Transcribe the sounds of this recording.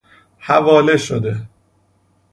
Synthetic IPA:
hævɒːle̞ʃod̪e̞

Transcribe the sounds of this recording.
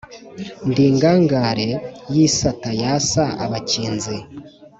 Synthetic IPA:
ndiːŋɡaːŋɡaɾe̞jisatajasaa̰βaciːnzi

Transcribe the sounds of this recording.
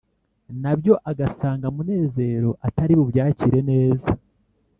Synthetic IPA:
nabjo̞ʔaɡasaːŋɡamune̞ːze̞ɾo̞ʔataɾiβuβjaːciɾe̞ne̞ːza

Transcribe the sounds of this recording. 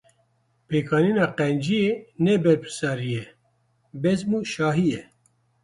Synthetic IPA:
peːkʰɑːninɑːqɛnd͡ʒijenɛbɛɾpʰɨ̥sɑːɾijɛ | bɛzmuːʃɑːɦijɛ

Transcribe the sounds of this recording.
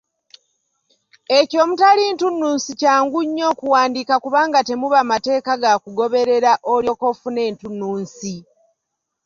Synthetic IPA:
e̞co̞ːmutalintunːuːnsicaːŋɡuɲːo̞ːkuwaːndiːkakuβaːŋɡate̞muβamate̞ːkaɡakuɡo̞βe̞ɾe̞ɾaʔoljo̞kofune̞ːntunːuːnsi

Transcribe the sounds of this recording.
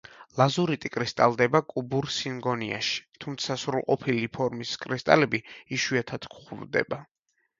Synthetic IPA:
lˠazuɾit̪ʼikʼɾist̪ʼalˠd̪ɛbakʼubuɾsiŋɡɔnia̰ʃi̥t̪ʰumt̪sʰasɾulˠqʼɔpʰilipʰɔɾmiskʼɾist̪ʼa̰lɛbiiʃwuat̪ʰad̪̥kχuvd̪ɛ̰ba

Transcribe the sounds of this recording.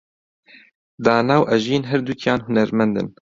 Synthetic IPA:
d̪ɑːnɑːwʔɛʒiːnɦɛɾd̪ukʰijɑːnɦʊnɛɾmɛnd̪ɨ̰n

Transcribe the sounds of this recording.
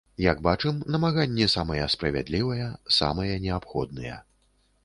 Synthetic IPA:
jaɡbat͡ʂɨmnɐmaɣanʲːɛsamɐjɐspɾɐvʲa̰d̪lʲivɐjɐsa̰mɐjɐnʲɛapxɔd̪̚nɨjɐ̰

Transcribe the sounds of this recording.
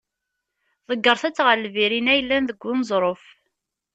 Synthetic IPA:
ðˤəɡːəɾˤθæt͡sːʁəlviɾinæjəlːænðəɡʷːʊnzˤɾˤof

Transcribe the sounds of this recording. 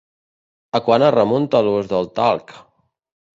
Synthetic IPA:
əkwanərəmunt̪əluzðəlˠt̪a̰lˠk

